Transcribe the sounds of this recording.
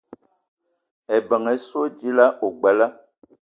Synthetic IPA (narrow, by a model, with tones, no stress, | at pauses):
ɛ˨bə˨ŋɛ˨so˦d͡ʒi˦la˦ʔo˨ɡ͡ba˨la˦